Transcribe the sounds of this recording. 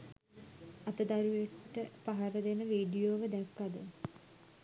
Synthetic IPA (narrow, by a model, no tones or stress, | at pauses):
ɐt̪əd̪aɾujeʈʈːəpaɦaɾəd̪enəʋiːɖijoʋəd̪ɛkːad̪ə̰